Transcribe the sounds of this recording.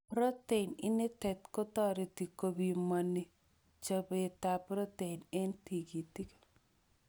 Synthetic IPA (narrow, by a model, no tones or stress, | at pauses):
pɾɔt̪enɪnet̪ɛt̪kot̪ɔɾet̪ikobimane | t͡ʃəbet̪apɾɔt̪enent̪iɡit̪ik